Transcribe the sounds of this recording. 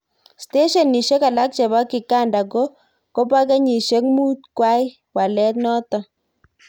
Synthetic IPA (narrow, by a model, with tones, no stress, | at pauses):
ste˦ʃɔ˨nːi˨ʃe˦ka˨la˦k̚t͡ʃe˨βa˦ki˨ka˦˨nda˨ko˦ | ko˦pa˦k̬e˦ɲi˨ʃe˦k̚mu˦t̪̚kwa˦j | wa˨lɛ˦t̪nɔ˦tɔ˨